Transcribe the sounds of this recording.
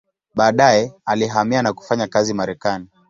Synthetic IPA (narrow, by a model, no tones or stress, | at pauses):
ɓaːɗajɛaliɦamianaku̥faɲakazimaɾɛkani